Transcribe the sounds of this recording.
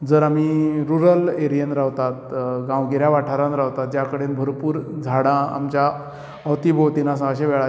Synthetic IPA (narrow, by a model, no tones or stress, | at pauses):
d͡zəɾamiɾuɾəleɾijənɾawt̪at̪ɡãwɡeɾjaʋaʈʰaɾanɾawt̪at̪̚d͡ʑjakəɽenbʱəɾpuːɾd͡zʱaɽãa̰mt͡ɕja | əwt̪ibot̪inasə̃əɕeʋɛɭa